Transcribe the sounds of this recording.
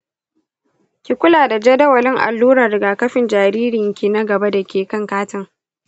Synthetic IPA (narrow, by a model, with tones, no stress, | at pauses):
kʲi˨kʷʊ˦laː˨da˨d͡ʒɛ˦dɐ˦wɐ˨lɪ˦ŋʔa̰˨lːuː˦ɾɐ˨rɪ˨ɡaː˨kɐ˦ɸɪ˨nd͡ʒaː˨ɾiː˦ɾɪ˨ŋkʲi˨na˦ɡɐ˨ba˦da˨kʲeː˨kɐ˦ŋkaː˦tɪ˦ŋ